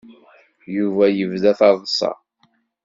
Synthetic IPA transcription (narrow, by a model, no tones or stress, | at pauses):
juvæjəvðæθɑðˤsˤɑ̰